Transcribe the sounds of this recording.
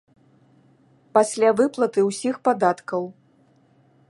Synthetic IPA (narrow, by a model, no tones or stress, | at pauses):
pasʲlʲavɨplˠɐt̪ɨwsʲixpad̪at̪kɐw